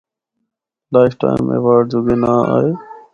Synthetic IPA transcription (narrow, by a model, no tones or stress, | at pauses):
laːɪfʈa̰ːɪmḛʋaɾɖ̚d͡ʒoɡenaːa̰ːeː